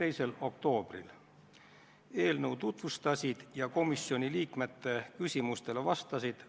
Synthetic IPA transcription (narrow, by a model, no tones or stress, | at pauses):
e̞jse̞lo̞kt̪o̞ːb̥rḭl | e̞ːlnəwt̪ut̪vust̪ɑsʲid̪̥jɑko̞misːio̞nʲiliːkme̞t̪ːe̞kysʲimust̪e̞levɑst̪ɑsid̪̥